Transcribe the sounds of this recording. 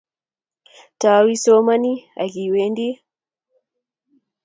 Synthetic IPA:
tawi˦sɔmani˦a̰˨ɣi˨wɛndi˦

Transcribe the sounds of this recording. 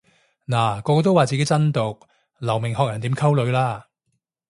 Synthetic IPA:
naː˨˩kɔː˧kɔː˧t̪o˥waː˨˩t͡siː˨ke˦˥jt͡sɐ˥nt̪o˨˩k̚ | lɐ˨˩wmɪ˨˩ŋɦɔː˨k̚jɐ˨˩nt̪iː˨˥mkʰɐ˥wlɵ˨˧ɥlaː˥

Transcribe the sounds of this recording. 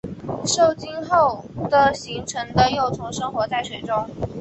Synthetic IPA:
ʂo˥˩ʊt͡ɕi˥nxo˥˩ʊd̪ə˨ɕi˧˥ŋʈ͡ʂʰɤ˧˥ŋd̪ə˧jo˥˩ʊt͡sʰʊ˧˥ŋʂɤ˥ŋxwɔ˧˥t͡sa˥˩ɪswe˨˥˩ɪʈ͡ʂʊ˥ŋ

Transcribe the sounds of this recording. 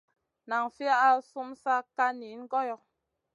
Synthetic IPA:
na˨ŋfi˦a˦a˦su˦msa˦ka˦ni˨˦n˦ɡɔ˦jɔ˨

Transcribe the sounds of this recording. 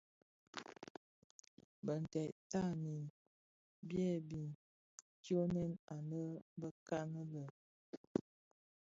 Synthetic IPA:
bə˨n˨tɛ˨ʔta˦˨ni˨n | bjɛ˦˨bi˨n | kjo˦nɛ˦na˨nə˦bə˦ka˦nə˦lə˨

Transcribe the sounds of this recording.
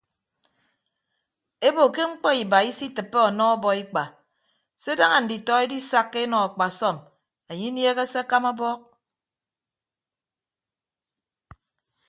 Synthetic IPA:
e˦bo˨ke˦ŋ͡m̩˦k͡pɔ˦i˨ba˨i˦si˦tɨ˨pːe˦ɔ˨nɔ˦ɔ˦bɔ˨i˦k͡pa˨ | se˦da˦ŋa˨n̩˨di˨tɔ˦e˦di˦sa˦kːe˦e˦nɔ˨a˨k͡pa˨sɔ˦˨m | e˨ɲi˦nje˦ɣe˦se˦a˦ka˦ma˦bɔ˦k̚

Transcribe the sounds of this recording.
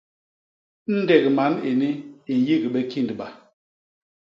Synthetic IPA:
n̩˦dɛ˨ɣə˨ma˨˦ne˨ni˦e˨ji˦ɡə˨ɓɛ˦ki˦˨ndɓa˨

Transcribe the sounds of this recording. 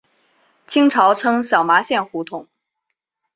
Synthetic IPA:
t͡ɕʰi˥ŋʈ͡ʂʰɑ˧˥ʊʈ͡ʂʰɤ˥ŋɕjɑ˨˩ʊma˧˥ɕjɛ˥˩nxu˧˥t̪ʰʊ˨˩˦ŋ

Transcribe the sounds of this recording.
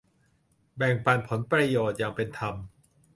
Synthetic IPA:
bɛ˨˩ŋpa˧˩npʰo˩˦npɾa˧joː˨˩t̪̚jaː˨˩ŋpe˧nt̪ʰa˧m

